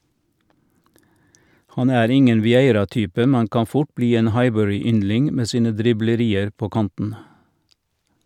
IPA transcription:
ˈhɑn ˈæːɾ ˈɪŋən ʋɪˈeɪɾɑˌtyːpə ˈmɛn ˈkɑː ˈfʊʈ ˈbliː ˈeːn ˈhɑɪbœɹɪˌʏnlɪŋ ˈmeː ˈsiːnə dɾɪbləˈɾiːəɾ ˈpoː ˈkɑntn̩

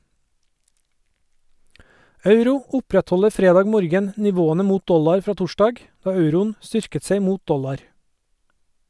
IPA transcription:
ˈɑʉɾʊ ˈʊpɾɛtˌhɔləɾ ˈfɾeːˌdɑːɡ ˈmoːɾɡən nɪˈʋoːənə ˈmuːt ˈdɔlɑɾ ˈfɾɑː ˈtʊˌʃdɑɡ ˈdɑː ˈɑʉɾʊn ˈstʏɾkət ˈseɪ ˈmuːt ˈdɔlɑɾ

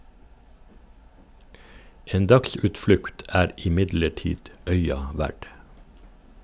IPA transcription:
ˈeːn ˈdɑksʉːtˌflʉkt ˈæːɾ ɪˈmɪdləˌʈiːd ˈœʏɑ ˈʋæɖ

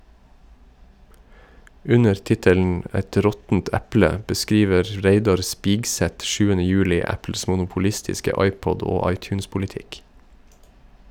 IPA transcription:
ˈʉnəɾ ˈtɪtəln̩ ˈɛt ˈɾɔtn̩t ˈæplə ə bəˈskiːʋəɾ ˈɾeɪdɑɾ ˈspiːɡˌsɛt ˈʃʉːənə ˈjʉːlɪ ˈæpl̩s mʊnʊpʊˈlɪstɪskə ˈɑɪˌpɔd ˈoː ˈɑɪˌtjʉːnspʊlɪˌtɪk

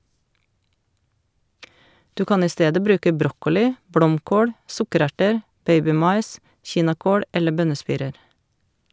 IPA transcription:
ˈdʉː ˈkɑːn ˈiː ˈsteːdə ˈbɾʉːkə ˈbɾɔkɔlɪ ˈblɔmˌkoːɽ ˈsʊkəˌɾæʈəɾ ˈbeɪbɪˌmɑɪs ˈçiːnɑˌkoːl ˈɛlə ˈbœnəˌspiːɾəɾ

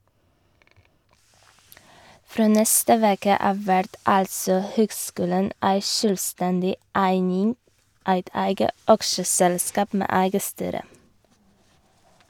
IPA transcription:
ˈfɾoː ˈnɛstə ˈʋeːkə ˈɑːʋ ˈʋæɾd ˈɑlsɔ ˈhøːɡˌskʉːlən ˈæɪ ˈʃøːlˌstɛndɪ ˈæɪnɪŋ ˈæɪt ˈæɪɡə ˈɑkʃəsɛlˌskɑːp ˈmeː ˈæɪɡə ˈstyːɾə

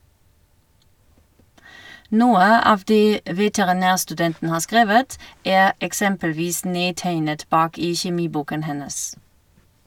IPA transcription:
ˈnuːə ˈɑːʋ ˈdeː ʋɛtɛʁɪˈnæːʁstʉˌdɛntn̩ ˈhɑːʁ ˈskʁeːʋət ˈæːʁ ɛkˈsɛmpəlˌʋiːs ˈneːˌtæɪnət ˈbɑːk ˈiː çɛˈmiːˌbuːkən ˈhɛnəs

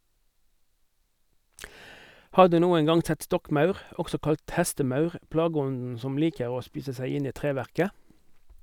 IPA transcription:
ˈhɑːʁ ˈdʉː ˈnuːəŋ ˈɡɑŋ ˈsɛt ˈstɔkˌmɑʉʁ ˈɔksɔ ˈkɑlt ˈhɛstəˌmɑʉʁ ˈplɑːˌɡɔndn̩ ˈsɔm ˈliːkəʁ ˈoː ˈspiːsə ˈsæɪ ˈɪn ˈiː ˈtʁeːʋæʁkə

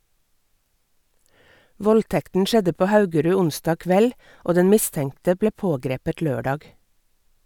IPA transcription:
ˈʋɔlˌtɛktn̩ ˈʃɛdə ˈpoː ˈhɑʉɡəɾʉː ˈʊnsdɑːɡ ˈkʋɛl ˈoː ˈdɛn ˈmɪˌstɛŋtə ˈbleː ˈpoːˌɡɾeːpət ˈløːˌɖɑːɡ

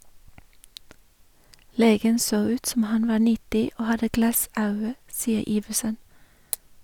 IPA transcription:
ˈleːɡən ˈsoː ˈʉːt ˈsɔm ˈhɑn ˈʋɑː ˈɳɪtɪ ˈoː ˈhɑdə ˈɡlɑˌsɑʉə ˈsiːə ˈiːʋəsən

